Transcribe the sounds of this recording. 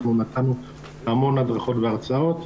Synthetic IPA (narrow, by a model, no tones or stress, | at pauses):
nunat̪anu | amo̞nadʁaχo̞t̪veaʁt͡sao̞t̪